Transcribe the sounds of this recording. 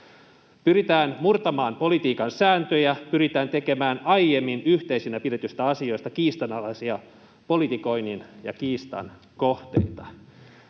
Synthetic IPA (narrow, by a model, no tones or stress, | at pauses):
pyɾit̪æːnmurt̪ɑmɑːmpo̞lit̪iːkɑnsæːnt̪øjæpyɾit̪æːnt̪eke̞mæːnɑjjemːinyht̪eisinæpide̞t̪yst̪æɑsio̞jst̪ɑkiːst̪ɑnɑlɑsiɑ | po̞lit̪iko̞ininjɑ̰kiːst̪ɑ̰n | koht̪ḛit̪ɑ